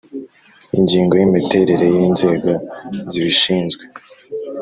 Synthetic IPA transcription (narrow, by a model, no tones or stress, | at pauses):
iɲɟiːŋɡo̞jimite̞ɾe̞ɾe̞jiːnze̞ːɡo̞ziβiʃiːnzɡwe̞